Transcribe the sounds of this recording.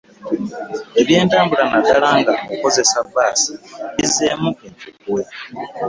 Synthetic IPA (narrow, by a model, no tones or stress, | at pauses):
e̞βje̞ːntaːmbulanadalaːŋɡaoko̞ze̞sabːaːsi̥βizːe̞mueɲcukuwe